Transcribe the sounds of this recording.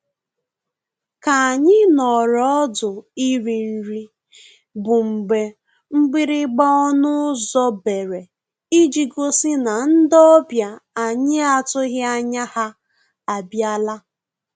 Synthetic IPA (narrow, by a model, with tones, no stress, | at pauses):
ka˨a˨ɲɪ˦nɔ˨ɾɔ˦dʊ˨i˦ɾi˨n̩˦ɾi˦ | bʊ˨ŋ͡m̩˨ɡ͡be˨ | ŋ͡m̩˦ɡ͡bɪ˦ɾɪ˦ɡ͡ba˦ɔ˦nʊ˦zɔ˦be˨ɾe˨ | i˦d͡ʒi˨ɡo˦sɪ˦na˨n̩˦dɔ˦bja˨a˨ɲɪ˦a˨tʊ˦ɣɪ˦a˦ɲa˦ha˦ | a˨bja˦la˦